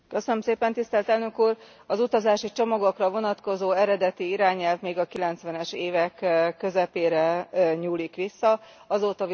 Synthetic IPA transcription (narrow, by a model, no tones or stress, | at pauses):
køsønømseːpɛnt̪ist̪ɛlt̪ɛlnø̞kuːr | ɒzut̪ɒzaːʃit͡ʃomɒɡo̞krɒvo̞nɒt̪ko̞zoːɛɾɛd̪ɛt̪iiɾaːɲɛlvmeːɡɒkilɛnt̪sʋɛnɛʃeːvɛkkːø̞zɛpeːɾɛɲuːlikʋisːɒɒzoːt̪ɒ